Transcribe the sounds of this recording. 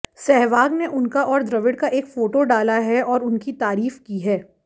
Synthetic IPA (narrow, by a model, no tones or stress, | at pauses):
sɛɦʋaːɡneʔʊnkaʔɔːɾd̪ɾɐʋɪɽkaʔeːkfoːʈoɖaːlaɦɛɔːɾʊnkit̪aːɾiːfkiɦɛː